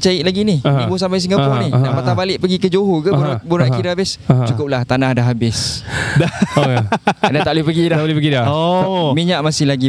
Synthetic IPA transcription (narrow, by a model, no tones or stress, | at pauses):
t͡ʃaiʔlaɡininibosampajs̬iŋɡapɔnihnaʔpat̪abalɪʔpəɡikəd͡ʒoɦokəɾabuɾaʔkiɾaabɪst͡ʃukʊp̚laht̪anahdaɦabɪsda | adat̪aʔlupəɡidalipəɡidaomiɲaʔmasɪhlaɡi